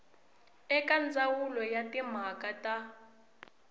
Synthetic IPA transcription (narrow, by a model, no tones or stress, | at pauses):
ɛkʼand͡zawulɔjatʼim̤akʼatʼa